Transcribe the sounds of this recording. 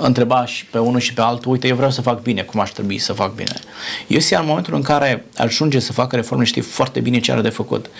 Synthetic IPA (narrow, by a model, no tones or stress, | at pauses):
ɨnt̪ɾe̞baʃʲpe̞unuʃipe̞alt̪uujt̪ejevɾeaws̬əfak̚bine̞kumaʃt̪ɾebuisəfak̚bḭne̞̰jesijaɨnmoment̪ulɨŋkaɾe̞a̰ʒund͡ʒesəfakəɾe̞fo̞rmeʃt̪ḭjfoart̪e̞bine̞t͡ʃea̰ɾd̪e̞fəkṵt̪